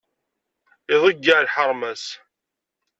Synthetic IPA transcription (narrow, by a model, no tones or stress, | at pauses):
iðˤəɡːaʕlħəɾˤmæs